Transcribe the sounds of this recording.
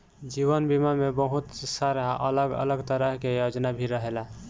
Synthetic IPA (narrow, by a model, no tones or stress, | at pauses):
d͡ʒiβənbimamebəɦut̪saɾaʔə̰ləɡə̰ləɡt̪əɾəɦkejod͡ʒnabʱiɾəɦela